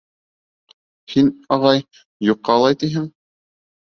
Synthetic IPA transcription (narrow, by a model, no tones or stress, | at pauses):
hinɑʁɑj | juqːɑːlˠɑjt̪iɦɘŋ